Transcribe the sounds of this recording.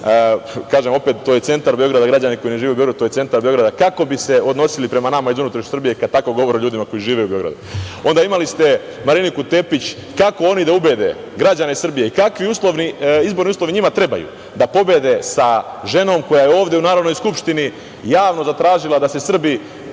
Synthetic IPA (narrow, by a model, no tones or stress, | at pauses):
kaːʒe̞mo̞pe̞t̪ːoːjese̞nt̪aɾbeo̞ɡɾad̪aɡɾad͡ʑaniko̞jineʒiːʋebjoɾad̪ut̪ojese̞nt̪aɾbeo̞ɡɾad̪akako̞bise̞o̞d̪no̞silipɾe̞manamaizunut̪ɾot͡ʃsrbije̞kad̪̚t̪ako̞ɡo̞ʋoɾeʎuːd̪imako̞jiʒiːʋe̞ubeo̞ɡɾa̰d̪uo̞nd̪aimalist̪e̞ | maɾinikut̪e̞pit͡ɕ | kako̞o̞nid̪aube̞d̪e̞̰ | ɡɾad͡ʑanesr̩bijeikakʋiuːslˠo̞ʋniizbo̞ɾniuslˠo̞ʋiɲimat̪ɾe̞ba̰jṵ | d̪apo̞be̞d̪e̞sa | ʒe̞no̞mkojajeo̞ːʋd̪jeunaːɾod̪no̞jskupʃt̪ini | jaːʋno̞zat̪ɾaːʒilˠad̪ase̞sr̩bi